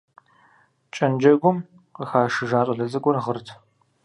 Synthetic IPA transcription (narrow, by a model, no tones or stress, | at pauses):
t͡ʃʼɐnd͡ʒɐɡʷʊm | qəxaːʃɨʒaːtʼɐɮɐzɐkʷʼɔrʁərtʰ